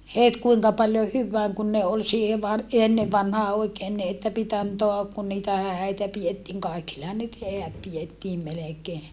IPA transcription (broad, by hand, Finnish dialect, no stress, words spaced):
het kuiŋkɑ pɑljo hyʋːæːŋ kun ne ol siːhe ʋɑr enːe ʋɑnhɑː oikeːn ni etːæ pit ɑntoɑ kun niːtæ hæˑi̯tæ pietːiːŋ kɑikilːehɑn nyt heæt pijetːiːm melekeː